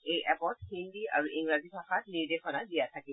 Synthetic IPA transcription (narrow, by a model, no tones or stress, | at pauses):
ejʔɛpɔt̚hindiʔa̰ɹuʔiŋɹazipʰaxatniɹdexʰɔnadijatʰaki